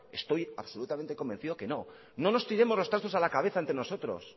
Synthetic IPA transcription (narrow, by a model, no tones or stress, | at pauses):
e̞st̪o̞jaβsolut̪ament̪eko̞mbe̞nθiðo̞ke̞no̞ | no̞no̞st̪iɾe̞mo̞zlot̪asθosalakaβ̞e̞θaent̪ɾeno̞so̞t̪ɾo̞̰s